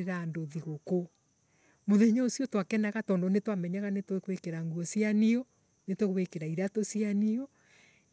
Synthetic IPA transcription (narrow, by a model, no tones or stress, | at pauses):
ɾandoðiɣoko | moðɛɲɔosiɔtwakɛnaɣatɔndɔnetwamɛɲaɣanetwekwekeɾaŋɡuɔsianiɔ | netwekwekeɾaiɾatosianiɔ